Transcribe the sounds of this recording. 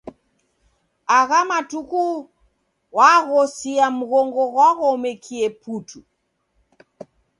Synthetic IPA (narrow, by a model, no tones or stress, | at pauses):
aɣamatuku | waɣɔsiam̩ɣɔŋɡɔɣwaɣɔmɛkʰiɛputʰu